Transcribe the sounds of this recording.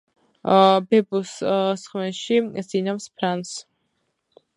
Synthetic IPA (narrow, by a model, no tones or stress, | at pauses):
bɛbussχmɛnʃisinamspʰɾans